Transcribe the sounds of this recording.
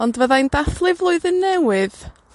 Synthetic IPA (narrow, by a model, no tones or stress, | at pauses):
ɔndvəðajndaθlˠɪvlˠʊɨðənːɛwɪð